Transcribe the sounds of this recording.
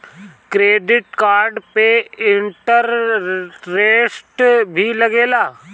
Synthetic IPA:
kɾeːɖɪʈkaːɾɖpeɪɳʈəɾː | eːsʈbʱilɐɡeːlaː

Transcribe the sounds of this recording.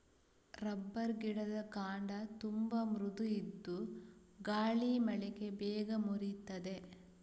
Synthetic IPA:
ɾɐbːɐɾɡiɽɐd̪ɐkaːɳɖɐt̪umbɐmɾud̪uid̪ːuɡaːɭimɐɭɛɡe̞bɛːɡɐmuɾit̪ːɐd̪e̞

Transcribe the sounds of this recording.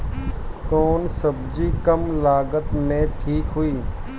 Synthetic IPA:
koːnsəbd͡ʒiːkəmlaːɡət̪mẽʈʰiːkɦʊiː

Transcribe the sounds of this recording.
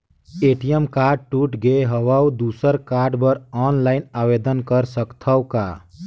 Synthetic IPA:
eʈijəmkaːɾɖ̚ʈuʈɡeɦəʋawd̪usəɾkaːɾɖbəɾɔːnlaɪnaʋed̪ənkəɾsəkt̪ʰəwka

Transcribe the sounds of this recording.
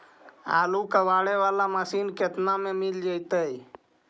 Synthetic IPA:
a̰lukəbaɽeʋalaməsinket̪namemild͡ʒəjt̪əj

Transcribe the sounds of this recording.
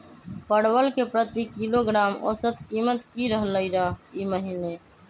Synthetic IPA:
pəɽwəlkepɾət̪ikiloɡɾaːmo̰sət̪ʰkiːmət̪kiɾəɦləiɾəɦiməɦine

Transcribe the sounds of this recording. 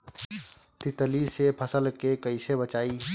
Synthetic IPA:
t̪ɪt̪əlisepʰəsəlkekɐɪsebət͡ʃaːi

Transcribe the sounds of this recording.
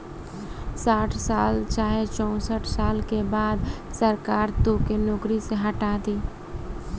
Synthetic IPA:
saːʈʰsaːlt͡ʃaːɦet͡ʃɔ̃ʊsəʈʰsaːlkebaːd̪səɾkaːɾt̪okenoːkɾiseɦəʈaːt̪iː

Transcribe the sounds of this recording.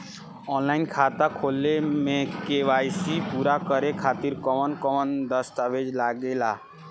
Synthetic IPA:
ɔnlainkʰat̪akʰolːemekeʋajsipuɾakəɾekʰat̪iɾkɔmənkɔmənd̪əst̪abed͡ʒlaɡela

